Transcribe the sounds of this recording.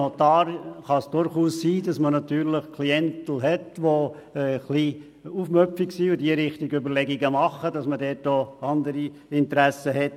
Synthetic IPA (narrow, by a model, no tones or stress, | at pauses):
ot̪ɑːɾχɑsd̥ʊɾχuːssiːdɑsmənɑt̪yːɾləχkʰliɛntl̩ɦɛtʋo | ɛχli | ufmœpfiksiːʊdiəɾɪχtiɡøbəɾlɛɡiɡəmɑχːəd̥ɑsmədɛːtoɑnd̪əɾi | ɪnt̪əɾæsəhɛt